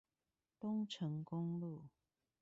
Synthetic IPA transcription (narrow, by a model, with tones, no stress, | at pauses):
t̪ʊ˦ŋʈ͡ʂʰə˨˦ŋkʊ˦˥ŋlu˥˨